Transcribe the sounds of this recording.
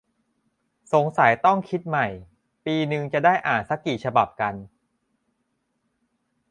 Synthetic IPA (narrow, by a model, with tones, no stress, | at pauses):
so˨˩˦ŋsa˩˦jt̪ɔ˥˩ŋkʰi˦˥t̪̚ma˨˩j | piː˧nɯ˨˧ŋt͡ɕa˨˩daː˥˩jʔaː˨˩nsa˦˥kːiː˨˩t͡ɕʰa˧ba˨˩p̚ka˧n